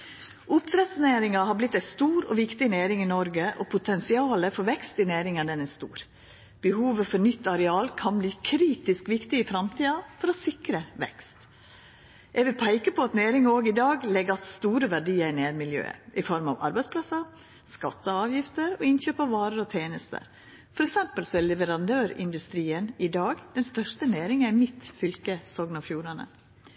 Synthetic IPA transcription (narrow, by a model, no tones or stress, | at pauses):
ʔʊpɾɛsneːɾɪŋɑɦɑɾblɪt̪ːæɪst̪uːɾɔ̰ʋɪkt̪ɪneːɾɪŋɪnɔɾɡəʔɔ̰pʰʊt̪ʰɛnsɪɑːləfɔɾʋɛkst̪ɪneːɾɪŋənd̪ɛnɛst̪ṵːɾ | b̥əhuːʋəfɔɾnʏt̪ːɑɾɛɑːlkʰɑnbliːkʰɾiːt̪ɪskʋɪkt̪ɪɪfɾɑmt̪ʰiːɑfɔɾɔsɪkɾəʋɛ̰kst̪ | ʔɛɡʋɪlpʰæɪkəpʰɔɑt̪neːɾɪŋoːɡɪd̪ɑːɡlɛɡɑt̪st̪uːɾəʋæɖiːəɾɪneːɾmɪljø̰ːə̰ʔɪfɔɾmɑ̰ʋɑ̰ɾbæɪspʰlɑsɑ | skɑt̪ːəɑːʋjɪft̪əɾɔɪnçøːpɑʋʋɑːɾəɾɔt̪ʰeːnəst̪ə̰ɾ | fɔɾɛksɛmpəlsɔɛlɛʋəɾɑnd̪øːɾɪ̰nd̪ʉst̪ɾiːənɪd̪ɑːɡd̪̥ɛnst̪œʂʈəneːɾɪŋæmɪt̪fʏlkəsɔːɡnɑfjuːɾɑnə̰